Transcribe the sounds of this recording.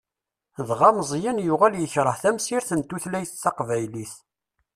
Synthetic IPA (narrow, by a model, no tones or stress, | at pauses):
ðʁɑməzˤjænjʊʁæljəçɾˤəhθæmsiɾθənt̪ːuθlæjəθθɑqvæjliθ